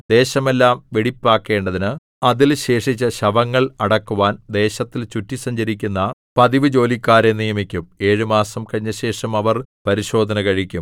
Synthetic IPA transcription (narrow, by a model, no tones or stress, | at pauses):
d̪e̞ːɕɐme̞lːaːmʋeɽipːaːkːe̞ːɳɖɐðinɨ | ɐðilɕe̞ːʂit͡ɕːɐɕɐʋɐŋːɐɭɐɽɐkːuʋaːnd̪e̞ːɕɐt̪ːilt͡ɕutːisɐɲd͡ʑɐɾikʲːunːɐpɐðiʋɨd͡ʑo̞ːlikːaːɾenijɐmikʲːume̞ːɻɨmaːsɐmkɐɻiɲːɐɕe̞ːʂɐmɐʋɐrpɐɾiɕo̞ːd̪ʱɐnɐkɐɻikʲːum